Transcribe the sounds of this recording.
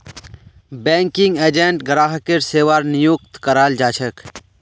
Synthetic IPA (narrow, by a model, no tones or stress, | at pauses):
bɛ̃ːŋkɪŋɡeːd͡ʒẽɳʈɡɾaːɦəkɪɾseːʋaːɾnijukt̪kɐɾaːld͡ʒaːt͡ʃʰək